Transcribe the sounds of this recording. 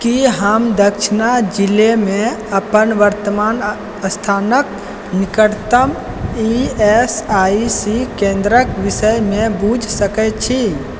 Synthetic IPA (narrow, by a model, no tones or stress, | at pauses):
kiɦəmd̪əkʃʰinad͡ʒilemẽ | əpənʋəɾt̪əman | əst̪ʰaːnək̚ | nikəɾt̪əm | iesaisikẽnd̪ɾəkʋisəjmẽbud͡ʒʱsəkɛt͡ʃʰi